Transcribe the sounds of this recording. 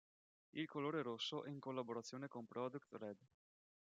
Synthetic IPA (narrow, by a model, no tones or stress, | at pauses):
ilkoloːɾeɾosoʔeŋkolːaboɾat̪sjoːnekonpɾɔd̪ukt̪ɾɛd̪